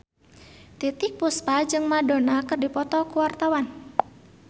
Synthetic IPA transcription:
t̪it̪ɪk̚puspad͡ʒɨŋmadonakɨrdipɔt̪ɔkuwart̪awan

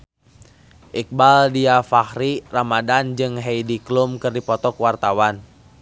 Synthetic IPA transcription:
ʔik̚baldiafahɾiramadand͡ʒɨŋɦɛjdiklumkɨrdipɔt̪ɔkwart̪awan

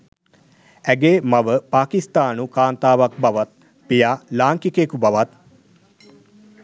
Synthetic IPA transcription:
æɡeːmaʋəpaːkist̪aːnukaːnt̪aːʋak̚baʋat̪̚ | pijaːlaːŋkikekubaʋat̪

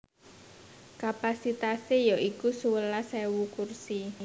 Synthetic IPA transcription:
kapasit̪asejɔʔikusuwəlasɛwukursi

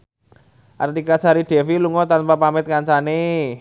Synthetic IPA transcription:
ʔa̰rt̪ikasaɾiɖ̪̥ɛ̤filuŋɔt̪anpapamɪt̪̚kaɲt͡ʃane

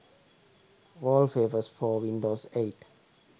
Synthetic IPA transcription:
ʋɔːlfeːʋəsfɔːʋĩnɖoːseːʈ

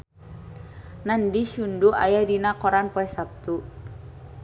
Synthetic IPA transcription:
nandiʃunduʔa̰jadinakɔɾanpɔɛsap̚t̪u

